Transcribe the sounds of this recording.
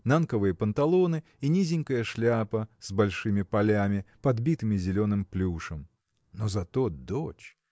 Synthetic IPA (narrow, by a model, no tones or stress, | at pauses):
nankəvɨjəpənt̪ɐlˠo̞nɨ | inʲizʲɪnʲkəjəʂlʲapəz̥bɐlʲʂɨmʲɪpɐlʲamʲɪpɐd̪bʲit̪ɨmʲɪzʲɪlʲo̞nɨmplʲuʂəm | nozɐt̪od̪ot͡ɕ